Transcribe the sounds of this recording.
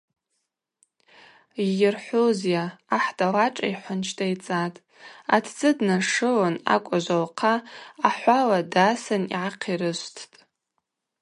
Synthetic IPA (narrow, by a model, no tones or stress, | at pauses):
ijɪrħʷozjaːħdalaʈ͡ʂʼaiħʷʊnt͡ʃʰtʰʼajt͡sʼatʼ | atʰd͡zʼɨdnaʂɨlana̰kʷʼaʒʷalqʰaːħʷaladasɨnḭʕaqʰirɨʃʷtʰtʼ